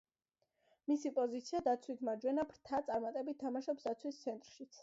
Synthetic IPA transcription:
misipʼɔzit̪sʰiad̪at̪sʰwit̪ʰmad͡ʒwɛnapʰɾt̪ʰat̪sʼaɾmat̪ʼɛbit̪t̪ʰːamaʃɔpsd̪at̪sʰwist̪sʰɛnt̪ʼɾʃit̪sʰ

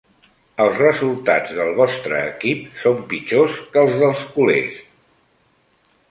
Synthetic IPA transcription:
əlˠzrəzulˠt̪ad͡zðəlˠβɔst̪ɾə̰ːkip̚sompit͡ʃoskəlˠzðəlˠskulḛs

